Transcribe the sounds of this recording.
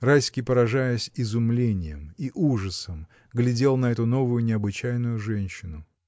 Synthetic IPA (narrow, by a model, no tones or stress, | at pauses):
rajsʲkʲɪpəɾɐʐajəsʲɪzʊmlʲenʲɪjə̰miʔuʐəsəm | ɡlʲɪdʲe̞lˠnɐɛt̪ʊno̞vʊjʊnʲɪɐbɨt͡ɕæjnʊjʊʐɛnʲɕːɪnʊ